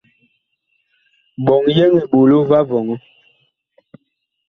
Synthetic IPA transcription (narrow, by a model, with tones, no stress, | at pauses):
ɓɔ˨ŋjɛ˦ŋe˨ɓo˨lo˦va˦vɔ˨ŋɔ˦